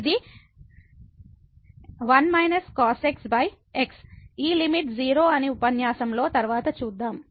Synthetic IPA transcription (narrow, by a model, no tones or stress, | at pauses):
id̪i | ʋɐnmɐjnɐskaːseksbɐj | eksiːlimiʈd͡ʒiːɾo̞ːɐniupɐnjaːsɐmlo̞ːt̪ɐɾʋaːt̪ɐt͡ʃuːd̪ːaːm